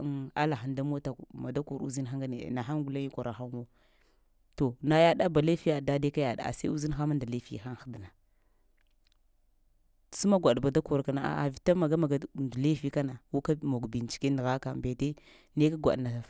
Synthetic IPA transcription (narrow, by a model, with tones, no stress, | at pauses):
a̰˦la˨xa˨nda˦m˦o˦ta˨ma˨da˦ku˨ɾṵ˦zi˦nxa˦ŋɡa˦nḛ˨na˨xa˦ŋɡu˨la˦ni˦kʷo˨ɾa˨xa˦mo˦ | to˨na˨ja˦ɗa˦ba˨le˦fi˦a˨da˦de˦ka˦ja˨ɗa̰˨a̰˨sa˦u˦zi˦n˦xa˦ma˦nda˨le˦fḭ˦˨xa˦n˦xdna˨ | su˦ma˦ɡʷa˨ɗba˨da˦ko˨ɾka˨˦na˨a̰˨a̰˨vi˨ta˦ma˨ɡa˦ma˨ɡa˦˨ndu˨le˦fi˦ka˦na˨wu˦ka˦mo˨ɡbi˨n˨t͡ʃi̥˨ke˦n˨ɣa˦ka˨mbe˨te˦ | ne˦ka˦ɡʷa̰˨ɗna˨